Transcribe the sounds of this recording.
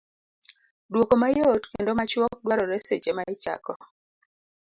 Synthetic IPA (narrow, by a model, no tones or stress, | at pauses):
dwokomajotkendomat͡ʃwɔk̚dwaɾɔɾɛsḛt͡ʃemaɪt͡ʃa̰kɔ